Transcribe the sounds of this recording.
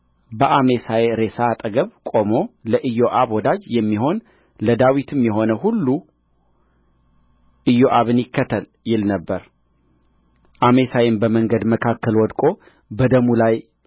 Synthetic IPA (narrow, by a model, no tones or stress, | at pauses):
bəʔame̞sajɾe̞sat̪ʼəɡəβkʼo̞mo̞ləʔɨjoʔaβwɔd̪ad͡ʒjɛmːiɦo̞n | ləd̪awit̪ʰɨmjɛɦo̞nəhulːu | ʔɨjoʔaβɨnɪkːət̪ʰːəl | jɪlnəbːəɾ | ʔame̞sajɪmbəməŋɡəd̪məkʰakːəlwɔd̪kʼo̞ | bəd̪əmulaj